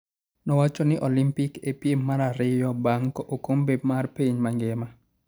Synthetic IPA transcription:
nɔwat͡ʃɔnɪʔɔlimpikepjemːaɾaɾɪjɔbaŋkɔʔokombemarpeɲmaŋɡɛma

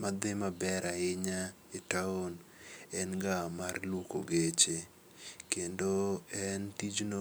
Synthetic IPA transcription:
mad̪ɪmabɛɾaɪɲa | ɪtaonɛnɡamarluko̰ɡet͡ʃe | kendoɛntid͡ʒno

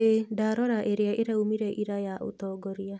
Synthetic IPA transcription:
edaɾɔɾaʔeɾeaʔeɾaumiɾɛʔiɾajaʔo̰tɔːɡɔɾia

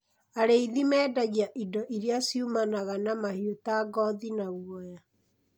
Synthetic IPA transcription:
aɾeiðimɛːdaɣiaʔidɔʔiɾjasiumanaɣanamahiotaɡɔðinaɣwɔja

